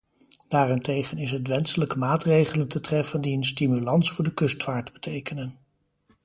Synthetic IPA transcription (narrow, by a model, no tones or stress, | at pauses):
d̥aːrɛntejχənɪsɦətʋɛnsələkəmaːtrejχələntətrɛfəndiənstimylɑnsfʊːɹdəkɵstfaːɹtbətʰejkənən